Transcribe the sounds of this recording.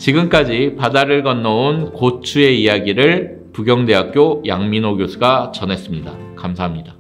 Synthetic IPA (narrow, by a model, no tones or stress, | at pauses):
t͡ɕiɡɯmk͈ad͡ʑipadaɾɯɭɡʌnːʌonkot͡ɕʰue̞ijaɡiɾɯɭ | puɡjʌŋde̞ɦak̚k͈jojaŋminoɡjosʰɯɡat͡ɕʌne̞s͈ɯmɲida | kamsʰaɦamɲida